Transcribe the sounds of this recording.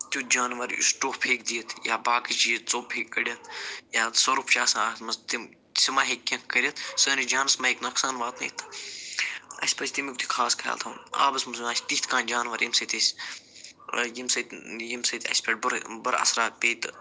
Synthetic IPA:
t̪ʲud͡ʒaːnʋɐɾṵsʈoːpʰeːk̚d̪ijɐt̪ʰjaːbaːkit͡ʃijt͡soːpʰeːkːɐɽʲjɐt̪jaːsoɾupʰt͡ʃaːsãaːt̪mɐst̪im | simaːɦekːʲɐ̃kkɐɾʲɐt̪səːnid͡ʒaːnɐsmɐeknɐksaːnʋaːt̪nɐ̰ːt̪ʰ | ɐ̰sʲpɐt͡ʃʰʲt̪imikt̪ʰi̥kʰaːskʰa̰ːlt̪ʰɐna̰ːbɐsmusmaːsʲt̪it̪kãːnd͡ʒaːnʋɐɾjimsɐt̪ɐsʲ | jimsɐt̪jimsɐt̪ɐ̰sʲpɐʈ̚bɾbɐɾɐ̰sɾaːpʲeːt̪

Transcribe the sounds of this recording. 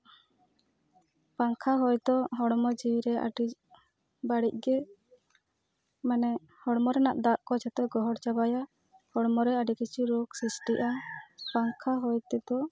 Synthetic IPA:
paŋkʰaɦɔjd̪ɔɦɔɽmɔd͡ʒiwiɾɛʔa̰ɖi | baɽic̚ˀɡɛ | manɛ | hɔɽmɔɾɛnaʔd̪aʔkɔd͡ʒat̪ɛɡɔɦɔɽt͡ʃabaja | hɔɽmɔɾɛaɖikit͡ʃuɾoksisʈiʔapaŋkʰaɦɔjt̪ɛd̪ɔ

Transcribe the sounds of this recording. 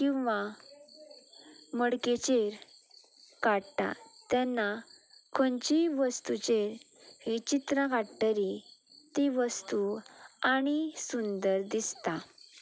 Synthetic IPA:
kĩw̃ʋa | məɽket͡ɕeɾ | kaɽt̪a̰t̪janːa | kʰɔnt͡ɕiʋəst̪ut͡ɕeɾ | ɦit͡ɕit̪ɾãkaɽt̪əɾi | t̪iʋəst̪uaɽ̃isund̪əɾd̪ist̪a

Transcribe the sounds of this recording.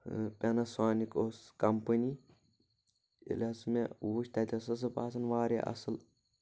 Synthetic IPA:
pʲɐnɐsaːnikoːskɐmpəni | ḭlʲɐsmewuʃt̪ɐt̪ʲɐsɨs̬ɨpaːsɐnʋaːɾʲa̰ʔɐ̰sɨl

